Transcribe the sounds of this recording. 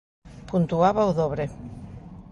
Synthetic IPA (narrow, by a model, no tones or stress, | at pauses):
punt̪uaβauðoβɾe